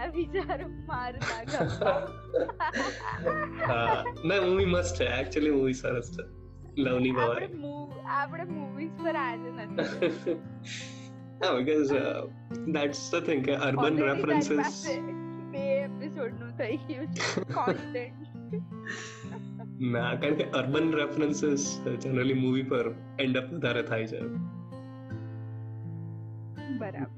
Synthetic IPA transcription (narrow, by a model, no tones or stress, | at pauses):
aʋit͡ʃaɾu | maɾa | ɦanajmuʋiːməsʈɛæk̚t͡ʃuəliːmuʋisaɾəst̪ə | ləʋniːbʱaʋauiapɽemuʋiːzpəɾat̪enət̪ | ɦabikɔz | d̪æʈsət̪ʰɪ̃ŋkeʔəɾbənɾefɾənsɪzemeepisoɖnũt̪ʰəjũd͡ʒkɔsʈeɳʈ | nakaaəɳkiʔəɾbənɾefɾənsɪzd͡ʒɛnəɾəlimuʋipəɾ | eɳɖəpʋəd̪ʱaɾet̪ʰajt͡ʃʰḛ | bəɾa̰bəɾ